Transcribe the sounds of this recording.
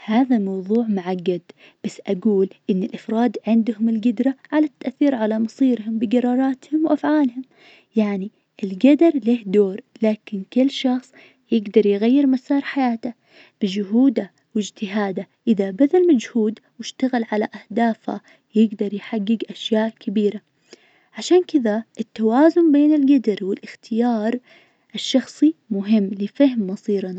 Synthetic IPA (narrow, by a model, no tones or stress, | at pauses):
haːðamɑwðˤuːʕmʊʕaɡːad̪ | b̥asːʔaɡuːlʔɪnːɪlʔafɾˤɑːd̪ʕɪnd̪hʊmɪlɡɪd̪ɾaʕalat̪ːaʔθːiːɾʕalamɑsˤiːɾhʊmbɪɡɑɾˤɑːɾˤɑːt̪hʊmwʔafʕaːlhʊm | jaʕni | ʔɪlɡad̪ɑɾˤleːhd̪oːɾlaːkɪnkɪlːʃɑxsˤ | jɪɡd̪ɑɾˤjɣajːɪɾmasɑːɾˤħajaːt̪a | b̥ɪd͡ʒʊɦuːd̪a | wɪd͡ʒt̪ɪɦaːd̪a | ʔɪðabad̪almad͡ʒhuːd̪wɪʃt̪aɣɪlʕalaʔahd̪aːfha̰ | jɪɡd̪ɑɾˤjħaɡːɪɡʔaʃjaːʔkʰabiːɾa | ʕaʃaːnkɪðaʔɪt̪ːawaːzʊmbeːnɪlɡad̪ɑɾˤwɪlʔɪxt̪ʰɪjɑːɾˤ | ʔɪʃːɑxsˤimʊɦɪmːlɪfahmːɑsˤiːɾana